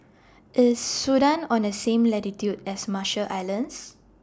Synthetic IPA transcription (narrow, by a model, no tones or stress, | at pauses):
ʔɪsːudãnɔ̃nəsẽmlɛtitjudɛsmaʃəʔajlə̃ns